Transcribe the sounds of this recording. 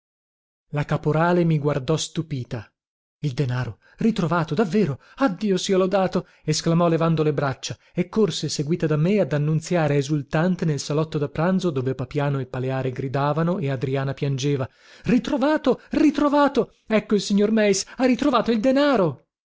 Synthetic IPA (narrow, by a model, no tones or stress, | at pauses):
lakapoɾaːlemiɡward̪ɔst̪upiːt̪a | ild̪enaːɾo | rit̪ɾovaːt̪od̪avːeːɾo | ad̪ːiːosiolod̪aːt̪o | esklamɔlevand̪olebɾat͡ʃːa | ekːorseseɡwiːt̪ad̪amːead̪anːunt̪sjaːɾeːzult̪ant̪enelsalɔt̪ːod̪apːɾanzod̪oːvepapjaːnoilpaleaːɾeɡɾid̪aːvanoʔead̪ɾiaːnapjand͡ʒeːva | rit̪ɾovaːt̪orit̪ɾovaːt̪o | ɛkːoilsiɲːormɛjsarit̪ɾovaːt̪oild̪enaːɾo